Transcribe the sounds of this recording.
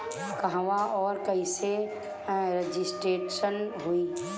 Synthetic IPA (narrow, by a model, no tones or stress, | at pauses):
kəɦʋaɔːɾkəise | ɾed͡ʒisʈɾeːʈʃənɦuiː